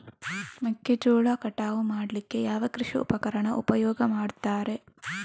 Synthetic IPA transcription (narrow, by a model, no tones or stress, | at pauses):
mɐkːed͡ʒuːɭaːkɐʈaːʋumaːɽlikːe̞jaːʋɐkɾɪʂiṵpɐkɐɾɐɳɐʔupɐjɔːɡɐmaːɽt̪aːɾe̞